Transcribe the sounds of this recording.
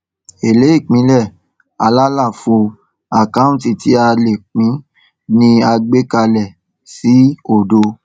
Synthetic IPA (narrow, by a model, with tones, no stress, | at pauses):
e˨le˨˦i˦˨k͡pĩ˨˦lɛ˦˨ | a˧la˦la˦˨fo˧ | a˦˨kã˦ũ˦˨ti˨tʰi˨˦a˧le˨k͡pĩ˨˦ | nĩ˧a˧ɡ͡be˦ka˧lɛ˨ | si˨˦o˦˨do˧